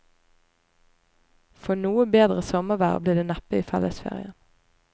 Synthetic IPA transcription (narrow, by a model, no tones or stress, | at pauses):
fɔnuːəbeːd̪ʁəsɔməʋæ̰ʁbliːd̪eːnæpəiːfɛləsfḛːʁɪ̰ən